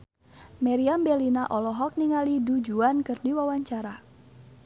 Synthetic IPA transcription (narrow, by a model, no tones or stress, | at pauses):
mɛɾiambɛlinaʔɔlɔɦɔk̚niŋalidud͡ʒuankɨrdiwawaɲt͡ʃaɾa